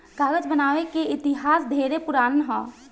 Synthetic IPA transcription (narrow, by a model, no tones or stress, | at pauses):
ɡaːɡəd͡ʒbənaːʋekeɪt̪ɪɦaːsd̪ʱeːɾepʊɾaːnɦɔ̃ː